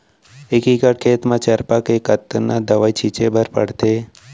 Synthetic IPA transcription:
ekikəʈkʰeːt̪mãt͡ʃəɾpakekət̪ːnad̪əʋaːit͡ʃʰit͡ʃebəɾpə̰ɽt̪eː

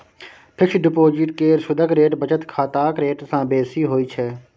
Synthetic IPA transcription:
pʰɪkt͡ʃɖɪpoːd͡ʒɪʈkeːɾsʊd̪ʱəkɾeːʈbət͡ʃət̪kʰaːt̪aːkɾeːʈsãːbeːsiːɦoːiːt͡ʃʰɛː

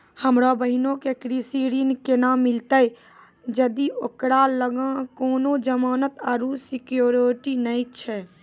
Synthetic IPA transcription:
həmɾabəɦinõkekɾisiɾinkenamːɪlt̪əj | d͡ʒəd̪iokɾaləɡãkoːnod͡ʒəmaːnət̪əɾusɪkjoːɾʈinəĩt͡ʃʰɛ

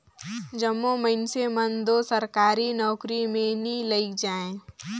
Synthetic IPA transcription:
d͡ʒɐmːoməɪnsemənd̪osɐɾkaːɾinɔːkɾimẽniləɪkd͡ʒaːẽː

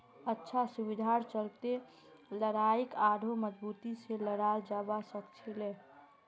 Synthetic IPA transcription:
ətːʃʰasubid̪ʱaɾt͡ʃəlt̪e | ləɾaikad̪ʱoməd͡ʒbut̪iseləɽald͡ʒabasəkt͡ʃʰile

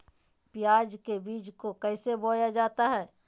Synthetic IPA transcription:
pɪjaːd͡ʒkebiːd͡ʒkokɛɪseboːjad͡ʒaːt̪aɦɛː

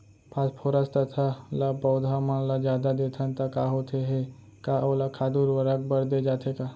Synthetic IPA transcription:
pʰaːspʰoːɾast̪ɐt̪ʰalabɔːʊd̪ʱamãnlad͡ʒjaːd̪ad̪eːt̪ʰant̪akaːɦot̪ʰeɦe | kaʔolakʰaːd̪uːɾʋəɾək̚bəɾd̪ed͡ʒaːt̪ʰekaː

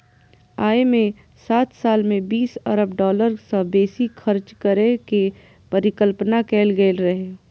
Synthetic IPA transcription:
aːemẽ | saːt̪saːlmẽbiːsɐɾəbɖɔːləɾsəbeːsixʰəɾt͡ʃkəɾeke | pɐɾɪkəlpnakɛːlɡeːlɾɐɦeː

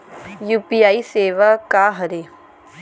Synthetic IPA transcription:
juːpiaːiseːʋakaɦɐɾe

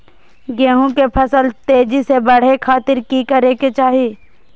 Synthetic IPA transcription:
ɡeːɦũkepʰɐsəlt̪eːd͡ʒisebɐɽ̤ekʰaːt̪ɪɾkikəɾeket͡ʃaːɦi

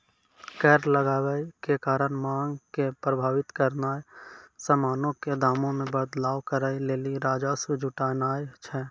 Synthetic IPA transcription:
kɛːɾləɡaːwəikekaːɾənmãːŋɡkepɾəbʱaːʋɪt̪kəɾnaːesəmaːnõked̪ʱaːmõmẽbəd̪laːwkəɾaːileːliɾaːd͡ʒasud͡ʒʱʊʈaːnaːjt͡ʃʰɛː

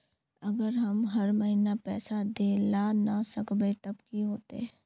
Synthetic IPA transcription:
ɐɡəɾɦɐmɦɐɾmɐɦiːnapɛːsad̪eːlanasəkbet̪ɐbkiɦoːt̪ḛ

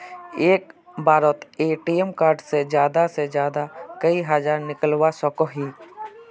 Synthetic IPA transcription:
eːkbaːɾət̪eːʈiːɛmkaːɾɖsed͡ʒjaːd̪ased͡ʒjaːd̪akəiɦəd͡ʒaːɾnɪkəlwasɔkoɦiː

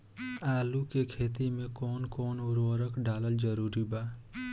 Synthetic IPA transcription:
aːlukekʰeːt̪imẽkɔːnkɔːnʊɾʋəɾəkɖaːləld͡ʒəɾuːɾibaː

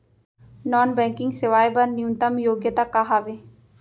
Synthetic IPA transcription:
nɔːnbɛ̃ːŋkɪ̃ŋɡsɪʋaːjbɐɾnijũnt̪ɐmjoːɡjət̪akaɦaʋe

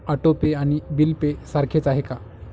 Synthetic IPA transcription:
əʈopeaɽ̃ibilpesaɾkʰet͡saɦeka

